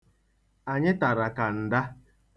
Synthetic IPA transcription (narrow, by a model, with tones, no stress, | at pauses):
a˨ɲɪ˦ta˨ɾa˨ka˨n̩˨da˦